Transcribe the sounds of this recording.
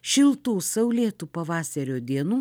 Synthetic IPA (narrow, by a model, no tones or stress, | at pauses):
ʃʲɪlˠt̪uːsɐʊlʲeːt̪uːpɐʋɑːsʲɐɾʲoːd̪ʲiɛnuː